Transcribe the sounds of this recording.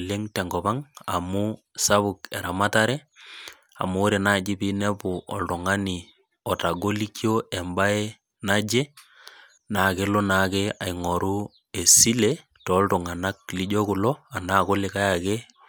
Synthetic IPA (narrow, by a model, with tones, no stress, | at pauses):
le˦ŋtɛ˨ŋɡɔ˨ba˦ŋa˨mu˦ | sa˦βʊ˨kɛ˨ɾa˨ma˦ta˦ɾɛ˦ | a̰˨mu˦ɾe˨na˦˨d͡ʒi˦pi˦nɛ˦pʊ˨ʔɔ̰˨ltu˨ŋa˦ni˨ | ɔ˨ta˨ɡo˦li˦kjo˦ɛ˨mba˦e˦ | na˦d͡ʒe˦ | na˨ke˦lɔ˦na˨kea˨i˨ŋɔ˨ɾu˦ | e˨si˦le | tɔ˨˦ltu˨ŋa˨na˦k̚li˦d͡ʒɔ˦ku˨lɔ˦a˨na˦˨ko˦lɪ˨ka˦ja˨ke˦